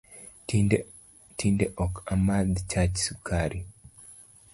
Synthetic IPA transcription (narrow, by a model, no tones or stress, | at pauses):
tʰindeʔɔkamad̪t͡ʃat͡ʃsukʰaɾʔi